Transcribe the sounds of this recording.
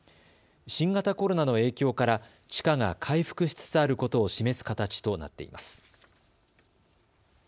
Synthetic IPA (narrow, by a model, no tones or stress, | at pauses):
ɕĩŋɡat̪ako̞ɾo̞nano̞e̞ːkʲo̞ːkaɾa | t͡ɕi̥kaŋakʰaiɸɯ̟̥kɯ̟ɕi̥t͡sɨ̥t͡saɾɯ̟ko̞t̪o̞ːɕime̞sɨ̥kat̪at͡ɕi̥t̪o̞na̰t̪ːe̞̰ḭma̰sɨ̥